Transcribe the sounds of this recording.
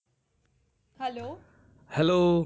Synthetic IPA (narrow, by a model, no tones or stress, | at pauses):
hɛloː | hɛloː